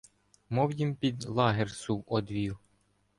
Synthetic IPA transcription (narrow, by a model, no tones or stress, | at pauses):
mɔwjimpʲid̪lˠɑɦersuwʔɔd̪ʋʲiw